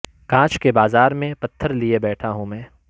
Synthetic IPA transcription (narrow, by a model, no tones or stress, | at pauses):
kãːt͡ʃkebaːzaːɾmẽpɐt̪ʰːəɾliebɛːʈʰaɦũmɛ̃ː